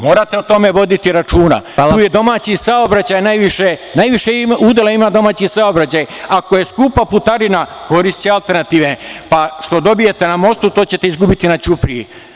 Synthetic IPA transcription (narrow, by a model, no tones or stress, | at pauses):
mo̞ːɾat̪e̞ut̪o̞me̞ʋo̞d̪it̪iɾat͡ʃuːna̰tauːjed̪o̞maːt͡ɕisaobɾat͡ɕaːjnajʋiʃenajʋiʃeuːd̪elaimad̪o̞maːt͡ɕisaobɾat͡ɕaːjako̞je̞skuːpaput̪aɾinako̞ɾist̪t͡ɕealˠt̪e̞ɾnat̪iːʋepaʃt̪o̞d̪o̞bije̞t̪e̞namo̞st̪ut̪o̞ːt͡ɕe̞t̪e̞izɡubit̪inat͡ɕupɾii